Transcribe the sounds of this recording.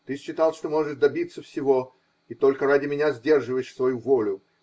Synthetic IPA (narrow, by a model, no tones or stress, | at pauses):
t̪ɨɕːɪt̪alˠʂt̪omo̞ʐɨd̪ɐbʲit̪səfsʲɪvo̞ | it̪o̞lʲkəɾadʲɪmʲɪnʲazʲdʲe̞rʐɨvəjɪʂsvɐjuvo̞lʲʊ